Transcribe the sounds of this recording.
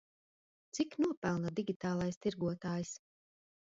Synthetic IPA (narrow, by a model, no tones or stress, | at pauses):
t̪siknuɔpælˠnad̪iɡʲit̪aːlˠajst̪iɾɡuɔt̪aːjs